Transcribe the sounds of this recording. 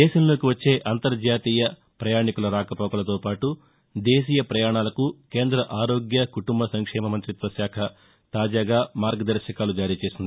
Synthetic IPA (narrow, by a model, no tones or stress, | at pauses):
d̪ɛːʃɐmlo̞ːkiʋɐt͡ʃːe̞ːʔɐnt̪ɐɾd͡ʒaːt̪iːjɐ | pɾɐjaːɳikuluɐɾaːkɐpɔːkɐlɐt̪oːpaːʈu | d̪eːs̬iːjɐpɾɐjaːɳaːlɐkuke̞ːnd̪ɾɐʔaːɾo̞ːɡjɐkuʈumbɐsɐŋkʂɛːmɐmɐnt̪ɾit̪ʋɐsjaːkʰɐ | t̪aːd͡ʒaːɡaːmaːɾɡɐd̪ɐɾʃɐkaːlud͡ʒaːɾiːt͡ʃe̞ːsind̪ii